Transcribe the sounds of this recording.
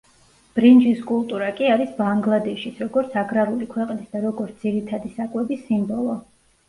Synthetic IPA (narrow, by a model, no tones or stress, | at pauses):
b̥ɾind͡ʒiskʼulˠt̪ʼuɾakʼiaɾisbaŋɡlˠad̪ɛʃisɾɔɡɔɾt̪sʰaɡɾaɾulikʰwɛqʼnisd̪aɾɔɡɔɾt̪ʰd̪ziɾit̪ʰad̪isakʼwɛbisimbɔlˠɔ